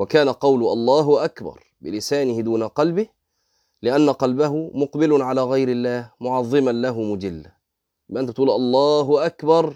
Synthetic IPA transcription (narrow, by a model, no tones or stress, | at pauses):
wakaːnaqɑwlʊʔɑ̰lˤːɑːɦʊʔakbɑ̰ɾˤ | bɪlɪsaːnɪhɪd̪uːnaqɑlbɪh | lɪʔanːaqɑlbaɦʊmʊqbɪlʊnʕalaːɣajɾɪlːaːhmʊʕɑðˤːɨmanlaɦʊmʊd͡ʒɪlːa | jɪbʔɪnt̪bɪt̪ʔuːlʔɑlˤːɑːɦʊʔakbɑɾˤ